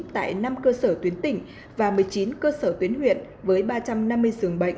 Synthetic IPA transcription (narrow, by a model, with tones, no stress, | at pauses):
t̪a̰ː˧˨jna˧mkəː˧səː˧˩t̪wi˨˦ənt̪ï˧˩ŋ̟ | vaː˨˩mɨ˨˩əjt͡ɕi˨˦nkəː˧səː˧˩t̪wi˨˦ənhwḭ˧˨ən | vəː˨˦jɓaː˧t͡ɕa˧mna˧mːɨ˧əjsɨ˨˩əŋɓə̰˧˨jŋ